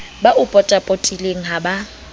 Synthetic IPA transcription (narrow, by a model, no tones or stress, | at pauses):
baʔʊpʼɔtʼapʼotʼileŋ̩ɦaba